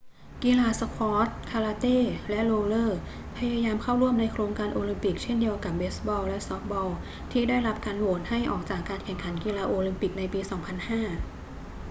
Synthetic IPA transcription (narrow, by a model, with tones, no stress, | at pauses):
ki˧laː˧sa˧pʰɔː˦˥t̪̚kʰaː˧laː˧t̪eː˥˩lɛ˦˥ʔloː˧lɤː˥˩ | pʰa˧jaː˧jaː˧mkʰa˥˩wɾu˥˩əmna˧jkʰɾoː˧ŋkaː˧nʔoː˧li˧mpi˨˩k̚t͡ɕʰe˥˩ndi˧əwka˨˩p̚beː˦˥sbɔː˧wlɛ˦˥st̪ɔ˦˥k̚bɔː˧w | t̪ʰiː˥˩daː˥˩jɾa˦˥p̚kaː˧nlu˨˩ət̪̚ha˥˩jʔɔː˨˩k̚t͡ɕaː˨˩kːaː˧nkʰɛ˨˩ŋkʰa˩˦nkiː˧laː˧ʔoː˧li˧mpi˨˩k̚na˧jpiː˧sɔː˩˦ŋpʰa˧nhaː˥˩